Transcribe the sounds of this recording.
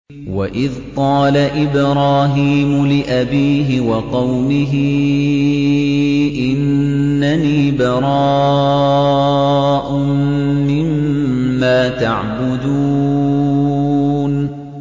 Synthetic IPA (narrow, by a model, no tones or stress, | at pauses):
wa̰ʔɪðqɑːlaʔɪbɾˤɑːɦiːmʊlɪʔabiːɦɪwɑqɑwmɪɦɪ | ʔɪnː | aniːbɑɾˤɑː | ʔʊmɪmː | aːt̪a̰ʕbʊd̪u | n